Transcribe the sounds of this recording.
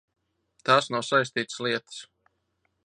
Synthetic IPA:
t̪aːsnawsajs̬ʲt̪iːt̪sliɛt̪ɨ̥s

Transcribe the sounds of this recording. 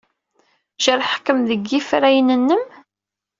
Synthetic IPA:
ʒəɾˤħkːəmðəɡːifɾæjnənːəm

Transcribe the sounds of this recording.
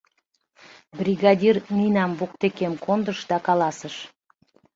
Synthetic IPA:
brʲiɣɑdʲirnijnɑmβok̚t̪ekemkond̪əʃd̪ɑkɑlɑsəʃ

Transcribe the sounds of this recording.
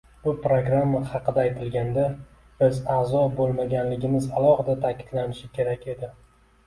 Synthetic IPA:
bʊpɾoɡɾamːahɑqʰɨd̪aːjt̪ʰɪlɡʲand̪a | b̥ɪzaːzɒbolˠmaɡʲanlɪɡʲɪmɪzalˠɒhɨd̪at̪ʰakʲʰɪd̪lanɪʃɪkʲʰe̞ɾakʲʰe̞d̪ɪ

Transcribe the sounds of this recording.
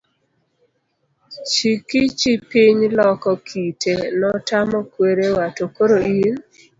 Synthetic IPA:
t͡ʃikit͡ʃipiɲlɔkɔkʰitʰenɔtamɔkweɾewatokoɾoin

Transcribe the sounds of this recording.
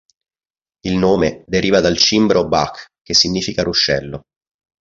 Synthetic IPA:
ilnoːmed̪eɾiːvad̪alt͡ʃimbɾʔobakːkːesːiɲːiːfikaɾuʃːɛlːo

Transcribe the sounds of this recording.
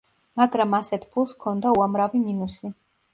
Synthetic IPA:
maɡɾamasɛt̪ʰpʰulˠskʰɔnd̪auamɾaviminusi

